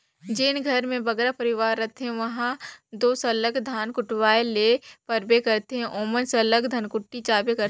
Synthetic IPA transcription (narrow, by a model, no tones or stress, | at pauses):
d͡ʒenɡʱɐɾmẽbɐɡɾapɐɾɪʋaːɾːɐt̪eɦɛ̃ʋɐɦãd̪oːsɐləɡd̪ʱaːnkʊʈʋaːelepɐɾbekɐɾt̪eɦɛ̃ʔoːmənsɐləɡd̪ʱɐnkʊʈːit͡ʃaːbekɐɾ